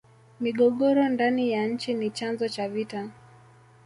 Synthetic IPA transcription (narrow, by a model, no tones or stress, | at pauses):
miɠɔɠɔɾɔndanijaɲ̩t͡ʃinit͡ʃanzɔt͡ʃavita